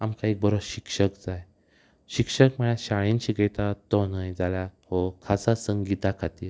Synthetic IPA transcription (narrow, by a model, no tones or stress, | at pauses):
amkaek̚bəɾoɕikʂəkd͡zaj | ɕikʂəkməɭãɕaɭint͡ɕiɡɛt̪at̪ɔnajd͡zaljahɔkʰasasəŋɡit̪akʰat̪iːɾ